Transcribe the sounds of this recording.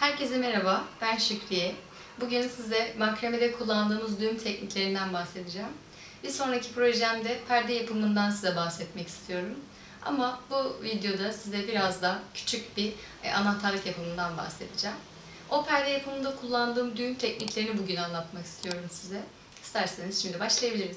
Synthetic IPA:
hæɾcʰe̞zɛmeɾabaːbænʃycʰlijɛ | buɟynsizd̪ɛmakɾemed̪ɛkʰulˠːand̪ɯːmɯzd̪ymt̪ʰɛcniclʲe̞ɾind̪ænbahse̞d̪id͡ʒæːm | biso̞nɾacʰipɾo̞ʒæmd̪ɛpʰæɾd̪ɛjapʰɯmɯnd̪ansizɛbahsɛt̪mɛci̥st̪ʰijo̞ɾum | a̰mabuvid̪jo̞d̪asizɛbiɾazd̪acʰy̥t͡ʃʰycbi | a̰nat̪ʰaɾlʲˠikjapʰɯmɯnd̪anba̰hse̞d̪id͡ʒæːm | o̞pʰæɾd̪ɛjapʰɯmɯnd̪akʰulˠːand̪ɯːmd̪ynt̪ʰɛcniclʲe̞ɾinibuɟynanlˠat̪maki̥st̪ʰijo̞ɾumsizɛ | i̥st̪ʰæɾsenizʃimd̪ibaʃlˠajabilʲiɾiz̥

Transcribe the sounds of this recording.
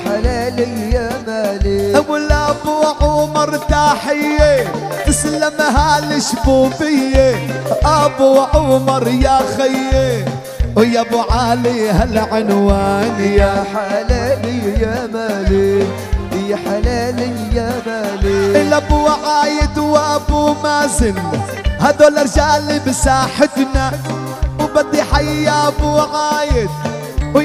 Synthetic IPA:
ħalaːlɪjamaliawʊlabuʕʊmɑɾˤt̪aːħɪje | ʔɪslamaɦaːlɪʃbuːbɪjːeʔabuːʕʊmɑɾˤjaːɣɪjːe | ɪjabʊʕaːlihalʕʊnwaːnjaħalalijamaːli | jaħalaːli | jamaːliɪlːʔabuʕaːjɪd̪wɪʔabumaːzɪl | had̪oːlɑɾˤd͡ʒaːlibɪsaːħɪd̪na | wbɑd̪ˤiħajjaʔabuʕaːjɪd̪̚ | w

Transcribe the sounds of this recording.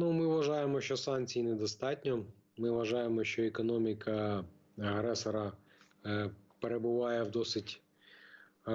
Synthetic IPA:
numɪʋʋɐʒɑjemɔʃʲt͡ʃɔsɑnt͡sʲijinɛd̪ɔst̪ɑtʲnʲɔ | mɪʋɐʒɑjemɔʃʲt͡ʃɔekɔnɔmʲikɐ | ɐɦɾɛsɔɾɐ | peɾebʊʋɑjɛwd̪ɔsɪtʲ

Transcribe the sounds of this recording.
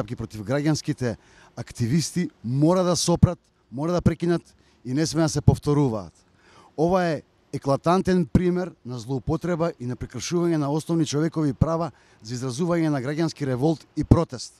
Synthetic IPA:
ap̚kipɾɔt̪ivɡɾaɟanskit̪ɛ | akt̪ivist̪imɔɾad̪asɔpɾat̪ | mɔɾad̪apɾɛkinat̪ | inɛsmɛnasɛpɔft̪ɔɾuva̰ːt̪ | ovaɛ | ɛklˠat̪ant̪ɛnpɾimɛɾnazlˠɔupɔt̪ɾɛbaʔinɛpɾɛkr̩ʃuvaɲɛnaɔsnɔvnit͡ʃɔvɛkɔvipɾava | zaizɾazuvaɲɛnaɡɾaɟanskiɾɛvɔlˠt̪ipɾɔt̪ɛst̪

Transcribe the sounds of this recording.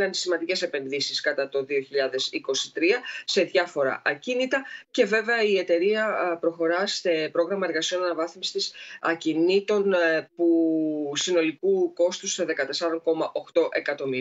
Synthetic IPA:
ɐnsimɐnd̪ice̞se̞pe̞nðisiskɐt̪ɐt̪o̞ðio̞çiʎɐðe̞siko̞si̥t̪ɾiɐse̞ðʝɐfo̞ɾɐ̰ʔɐcinit̪ɐce̞ve̞ve̞ɐie̞t̪e̞ɾiɐpɾo̞xo̞ɾɐsepɾo̞ɣɾɐmɐe̞ɾɣɐsio̞nɐnɐvɐθmst̪isɐcinit̪o̞npusino̞likuko̞st̪usoðe̞kɐt̪e̞sɐɾo̞ŋko̞mɐʔo̞xt̪o̞ʔe̞kɐt̪o̞mi

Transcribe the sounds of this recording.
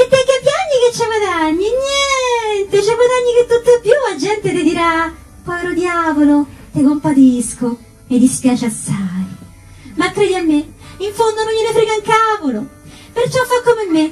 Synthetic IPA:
pek̪ːekːepːjaɲːiket͡ʃːɛɡad̪aɲːiɲjɛnt̪et͡ʃɛɡwad̪aɲːiket̪ːut̪ːopːjuad͡ʒɛnt̪et̪ed̪iɾa | pɔɛɾod̪jaːvolot̪ekompat̪isko | med̪ispjaːt͡ʃeast̪aj | makːɾeːd̪iamːeiɱfond̪onoɲːinefɾɛɡaŋkavolo | pert͡ʃɔfːakːomemːe

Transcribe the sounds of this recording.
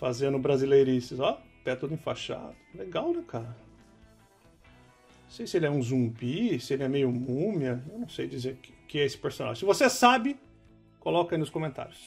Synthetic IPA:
fazẽnd̪ʊbɾazilejɾisɪzɔp̪ɛt̪ud̪ʊĩfaʃa̰d̪ʊleɡawnɛkʰaɾɐ | ɐ̃sejsɪelɪɛũzũbisɪelɪɛmejʊmũmjɐewnɐ̃w̃sejd͡ʒizeɾkʊkɪɛesɪ̥peɾsõna̰ʒɪʊ̃sɪvosesabɪ | kolɔkɐinʊskõmẽnt̪a̰ɾjʊs

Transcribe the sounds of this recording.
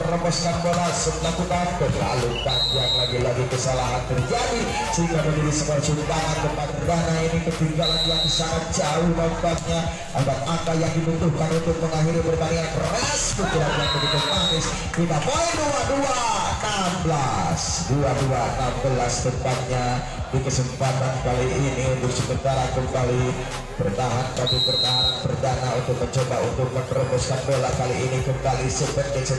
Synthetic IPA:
əɾəbɔskanbɔlasəklakukak̪əla̰lupaɲd͡ʒaŋlaɡilaɡikəsalaɦant̪ərd͡ʒadi | səɦiŋɡamənədisəkaɾat͡ʃumpaʔankəpakədanainikət̪iŋɡalanjaŋbisaŋad͡ʒaʊhdambat̪̚ɲa | ʔabat̪apajaŋdibut̪ʊhkanut̪ʊk̚pəŋaɦiɾibərbaniŋankəraskut̪iɾaklaŋmədikəpanɪs | pinamoiduaduanambəlasduaduanambəlasdəpat̪̚ɲa | dikəsəmpat̪ankaliʔːnidʊɾsəmənt̪aɾakəmbali | bərt̪aɦankabibərnaɦaanpərdanaunt̪ʊk̚məɲt͡ʃɔbaunt̪ʊk̚mək̪əɾəmbʊskanbelaʔkaliinikəmbalisəbət̪̚dasə

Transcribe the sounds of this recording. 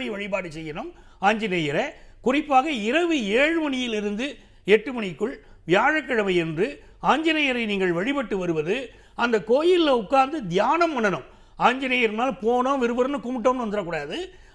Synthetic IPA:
ɐjʋɐɻɪpaːɽɯt͡ʃːɛjːɐnɯm | aːɲd͡ʒɪnɐjɐɾɐkʊrɪpːaːɣɐɪɾɐʋɯeːɻɯmɐɳɪjɪlɪɾɯnd̪ɯ | ɛʈːɯmɐɳɪkːɯɭ | ʋɪjaːɻɐkːɐɻɐmɐɪɛndrɯ | aːɲd͡ʒɪnɐjɐɾɐɪniːŋɡɐɭʋɐɻɪpɐʈːɯʋɐɾɯʋɐðɯ | ɐnd̪ɐkːoːjɪlːɐʊkːaːnd̪ɯd̪ɪjaːnɐmːɐɳɐnɯm | aːɲd͡ʒɪnejɐɾnaːlpoːnoːʋɪɾɯbɐɾɐnɯkʊmɪʈ̬ːoːmnɐnd̪ɪɾrɐkːuːɽaːðɯ

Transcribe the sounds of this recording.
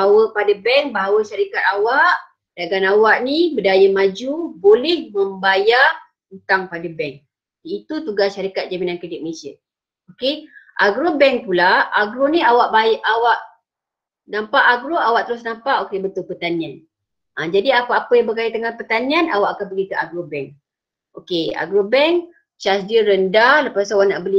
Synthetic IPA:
baawəpadabɛŋbaɦawəʃaɾikat̪̚awaʔ | d̥aɡanawaʔnibədajəmad͡ʒubolɛhməmbaja | ənt̪aŋpadabɛŋ | iːt̪ut̪uɡasʃaɾikat̪̚d͡ʒaminankɾidɪk̚məlesiə̰ | okeʔaɡɾobɛŋpulaaɡɾoniawaʔbaʔawaʔ | nampaʔaɡɾoawaʔt̪əɾʊsnampaʔokebət̪ʊlpərt̪anian | ʔad͡ʒadiakaapəjaŋbəkait̪əŋanpərt̪anianawaʔakabəɡikəʔaɡɾobɛŋ | okea̰ɡɾobɛŋk | t͡ʃasdəɾəndaləpasawanaʔbəli

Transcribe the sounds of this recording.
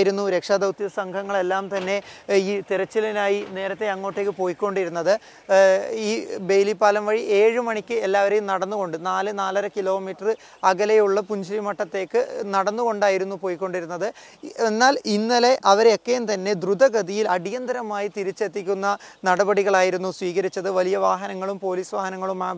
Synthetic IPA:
jiɾunːuɾe̞kʂaːd̪ɐwt̪ijɐsɐŋɡʰʱɐŋːɐɭe̞lːaːmt̪ɐnːe̞iːt̪iɾɐt͡ɕːilinaːjine̞ːɾɐt̪ːe̞ɐŋːo̞ːʈːe̞ːkːɨpo̞ːjikʲːo̞ɳɖiɾunːɐðɨ | iːbe̞jlipːaːlɐmʋɐɻiʔe̞ːɻɨmɐɳikʲːɨelːaːʋɐɾe̞jumnɐɽɐnːuɣo̞ɳɖɨnaːlɨnaːlɐɾɐkilo̞ːmiːʈːɐrɨ | ɐɡɐlejuɭːɐpuɲd͡ʑilimɐʈːɐt̪ːe̞ːkːɨnɐɽɐnːuɣo̞ɳɖaːjiɾunːupo̞ːjikʲːo̞ɳɖiɾunːɐðɨ | enːaːlinːɐle̞ʔɐʋɐɾeokːejumt̪ɐnːe̞d̪rud̪ɐɡɐðijilɐɽijɐnd̪ɐɾɐmaːjit̪iɾit͡ɕːe̞t̪ːikʲːunːɐnɐɽɐbɐɽiɣɐɭaːjiɾunːusʋiːɣɐɾit͡ɕːɐðɨʋɐlijɐʋaːɦɐnɐŋːɐɭumpo̞ːliːsʋaːɦɐnɐŋːɐɭumaː

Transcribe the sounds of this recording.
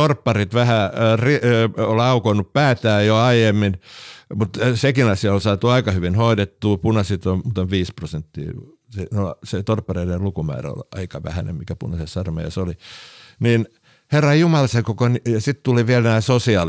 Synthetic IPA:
orpːɑrit̪ʋæhæriolɑukonːuppæːt̪æːjoɑijemːinmut̪sekinɑsiɑolsɑːt̪uɑikɑhyʋinhoidet̪ːuːpunɑsit̪onmuːt̪oʋʋiːsprosent̪ːḭː | senolset̪orpːɑreiderlukumæ̰ːræ̰o̰lɑ̰ikɑʋæ̰hænḛmmikæpṵnɑsessɑrmɑ̰jɑ̰soli | niːn | herːɑjumɑlseŋkokonijɑsit̪t̪uliʋielnæːsosiɑ

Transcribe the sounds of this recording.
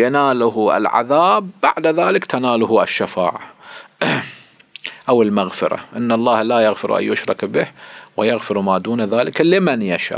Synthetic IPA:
jɪnaːlʊɦʔɪ̰lʕa̰ðaːbːa̰ʕd̪aðaːlɪkt̪anaːlʊhʊʔɪʃːafa̰ːʕa | ʔawɪlmaɣfɪɾa̰ʔɪnːalˤːɑːhlaːjaɣfɪɾʔa̰jʊʃɾˤɪ̰kbɪhwɪjaɣfɪɾmaːd̪uːnðaːlɪklɪmanjaʃa̰ː

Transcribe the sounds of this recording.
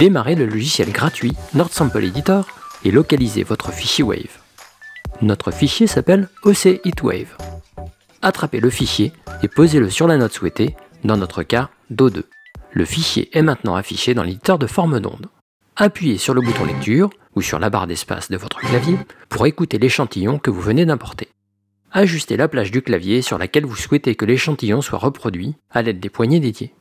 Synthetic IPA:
d̪̥emaʁeləlɔʒisjɛlɡʁat̪ɥinɔʁt̪sɑ̃pɔled̪it̪œːʁelɔkalizḛvɔt̪χəfiʃjewɛ̰v | nɔt̪χəfiʃjesapɛloseʔit̪wɛ̰v | at̪χapeləfiʃjeepozeləsyʁlanɔt̪swɛt̪e | d̪ɑ̃nɔt̪χəka | d̪od̪ø̰ | ləfiʃjḛʔɛmɛ̃t̪nɑ̰̃afiʃed̪ɑ̃led̪it̪œʁd̪əfɔʁməd̪ɔ̰̃d̪ | apɥijesyʁləbut̪ɔ̃lɛk̚t̪ʰyʁ | usy̰ʁla̰ba̰ʁd̪ɛspa̰sd̪əvɔt̪χə̥klavjepuʁekut̪eleʃɑ̃t̪ijɔ̃kəvuvəned̪ɛ̃pɔʁt̪e̥ | aʒyst̪elaplaʒd̪yklavjesyʁla̰kʲɛlvuswɛt̪ekəleʃɑ̃t̪ijɔ̃swa̰ʁəpχɔd̪ɥi | alɛd̪̚ːepwaɲed̪ed̪je

